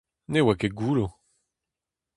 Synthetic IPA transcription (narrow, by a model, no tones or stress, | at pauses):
newakeɡuːlo